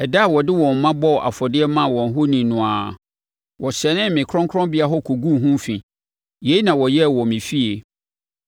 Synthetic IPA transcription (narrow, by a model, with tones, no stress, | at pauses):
ɛ˨da˦˨wɔ˨dɪ˦wɔ̃˨mː˨ã˦bɔ˦˨ʔa̰˨fɔ˨dɪ˦ɛ˦mã˦˨wɔ̃˨n˦ɦʊ˦nĩ˨nʊ̃˨a˨ | wɔ˨ɕɛ˨nɪ̃˦m˨mɪ̃˨kʰɾɔ̃˦ŋkʰɾɔ̃˦mbɪ˦a˦ɦɔ˦kʰu˨ɡũ˦ɦũ˦fĩ˨ | je˨˦i˦nã˨wɔ˨jɛ˦˨wɔ˨mɪ̃˨fi˦e˨